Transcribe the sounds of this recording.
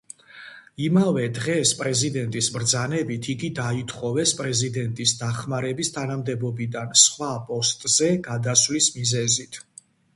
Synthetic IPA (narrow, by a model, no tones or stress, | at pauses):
imavɛd̪ʁɛspʼɾɛzid̪ɛnt̪ʼisbɾd̪zanɛbit̪ʰiɡid̪ait̪ʰʼχɔvɛspʼɾɛzid̪ɛnt̪ʼisd̪aχmaɾɛbist̪ʰanamd̪ɛbɔbid̪ansχwapʼɔst̪ʼz̥ɛɡad̪aslismizɛzit̪ʰ